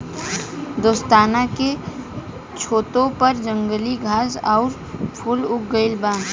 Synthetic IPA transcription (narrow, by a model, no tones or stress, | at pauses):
d̪oːst̪aːnake | t͡ʃʰoːt̪õpəɾd͡ʒə̃ŋɡəliɡʱaːsɔʊɾ | pʰʊlʊk̚ɡəɪlbãː